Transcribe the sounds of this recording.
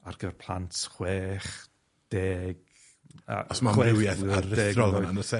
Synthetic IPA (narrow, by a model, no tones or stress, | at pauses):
arɡ̥əvɛrpʰlˠantχweːχ | d̥eːɡ̥ | a̰ɔsmamwɛɪwjɛθaədeːrɔɔanəsɛ